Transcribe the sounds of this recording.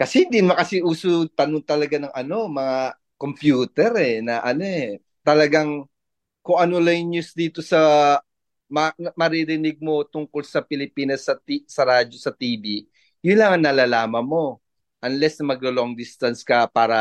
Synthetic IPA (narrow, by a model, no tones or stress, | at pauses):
kɐsɛnd̪ɪnmɐkɐsɪʔuːsot̪ɐnoŋt̪ɐlɐɡanɐŋʔɐno̞mɐŋa | kompjuːt̪ɛɾɛnɐʔɐno̞ɛ | t̪ɐlɐɡaŋ | kʊŋʔɐnolɐjnjusd̪iːt̪o̞sɐ | mɐmɐɾiɾɪnɪɡ̚mo̞t̪ʊŋkolsɐpɪlɪpiːnɐsɐt̪isɐɾaːd͡ʒo̞sɐt̪iːbi | jʊnlɐŋɐŋnɐlalaːmɐnmo̞ | ʔɐnlɛsnɐmɐɡloloŋd̪ɪst̪ɐnskɐpaːɾɐ